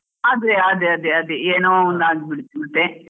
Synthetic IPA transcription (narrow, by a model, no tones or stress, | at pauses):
aːd̪ɾeaːd̪eɐd̪eɐd̪eːnoːund̪aːɡibɪɽt̪ɪɽt̪ːe